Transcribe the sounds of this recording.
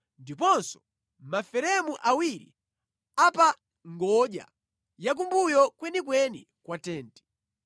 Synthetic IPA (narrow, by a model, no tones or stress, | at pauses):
ndipɔnsɔ̥ | mafɛɾɛmuʔawiɾḭ | apa | ŋɡɔʄa̰ | jak̬umbujɔkwɛnikwɛni | kwatɛːntɛ̥